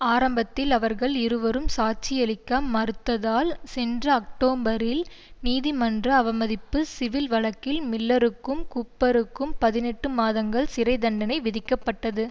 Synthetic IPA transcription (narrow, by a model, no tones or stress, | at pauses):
aːɾɐmbɐt̪ːɪlɐʋɐɾɣɐɭɪɾɯʋɐɾɯmsaːt͡ʃɪjɐlɪkːɐmːɐɾɯt̪ːɐðaːlsɛndrɐɐk̚ʈoːmbɐɾɪl | niːðɪmɐndrɐːʋɐmɐðɪpːɯsɪʋɪlʋɐɭɐkːɪlmɪlːɐɾɯkːɯmkʊpːɐɾɯkːɯmpɐðɪnɛʈːɯmaːðɐŋɡɐɭsɪɾɐɪd̪ɐɳɖɐnɐɪʋɪðɪkːɐpːɐʈːɐðɯ